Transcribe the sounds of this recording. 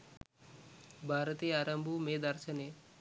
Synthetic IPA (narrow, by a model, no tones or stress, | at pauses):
bʱaɾət̪iaːɾəmbʱumeːd̪əɾsəne